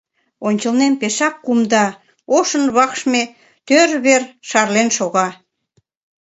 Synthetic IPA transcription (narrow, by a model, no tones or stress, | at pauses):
onʲt͡ɕəlnempeʃɑkːumd̪ɑ | oʃə̆nβɑkʃme | t̪øɾβerʃɑrlenʃoɣɑ